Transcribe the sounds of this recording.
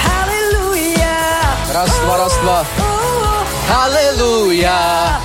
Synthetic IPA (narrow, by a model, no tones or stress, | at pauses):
halelu | ja | ɾaswaɾasa | haleluja